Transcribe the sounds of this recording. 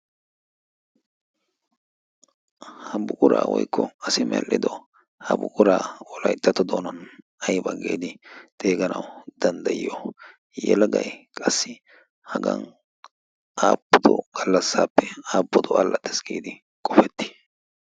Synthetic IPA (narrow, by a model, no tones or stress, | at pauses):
hɐbʊkʼʊɾaːwɔ̰jkːɔɐsɪmɛlʔɪd̪ɔ | hɐbʊkʼʊɾaːɔlɐjt̪ːɐt̪ɔd̪oːnɐn | ɐjbɐɡḛːd̪ɪt̪ʼe̞ːɡɐnɐwd̪ɐnd̪ɐjɪjo | jɛlɡɐjkʼɐsːɪ | hɐɡɐ̰n | ʔaːpːɔd̪ɔɡ̥ɐlːɐsːaːpːɛaːpːɔd̪ɔɐlːɐt̪ːɛsɡeːd̪ɪ | kʼɔfɛt̪ːɪ̥